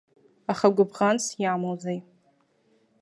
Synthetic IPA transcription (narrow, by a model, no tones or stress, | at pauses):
aχaɡʷʊbʁansjamozej